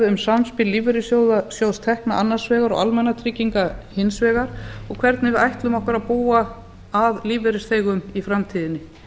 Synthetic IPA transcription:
ʏmsamspɪlːiːvɛɾɪsjoːwðasjoːwst̪ʰɛhkna̰ʔanːasvɛːɣaɾɔ̰ɣa̰lmɛnːat̪ʰɾiːciŋkahɪnsvɛːɣaɾ̥ɔɣkʰvɛɾt̪nɪvɪðajht̪lʏmɔhkaɾaðpuːa | aðliːveɾɪsθeːjɣʏmifɾamt̪ʰiːðɪnːɪ

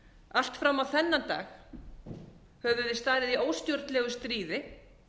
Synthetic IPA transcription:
al̥t̪fɾamːawθɛnːat̪a̰ːx | hɛvʏðɪst̪aːðɪðioːwst̪jowɾt̪lɛɣʏst̪ɾiːðɪ

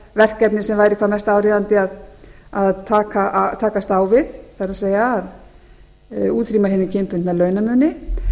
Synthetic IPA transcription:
vɛr̥kɛpnɪsɛmvaːjɾɪkʰaːmɛst̪aːwɾiːðant̪ɪaðaðt̪ʰaːkat̪ʰaːkast̪aːwvɪðθaɾaðseːjaːð | uːt̪ʰɾiːmaɦɪnɪcʰempʏnt̪nalœːɥnamœðnːɪ

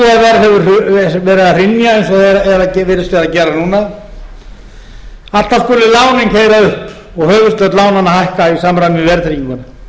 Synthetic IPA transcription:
aðvɛɾɦɛvʏɾvɛːɾɪðar̥ɪnːjaejnsɔɛɾɛɾacɛvɪɾɪst̪ɛɾacɛːɾanuːna | at̪askʏlɪlaːwnɪŋkheːjɾaʏhp | ɔɣhœːvʏst̪œt̪laːwnanːahajhkaisaːmɾajmvɛɾt̪ɾicɪmɔnʏ

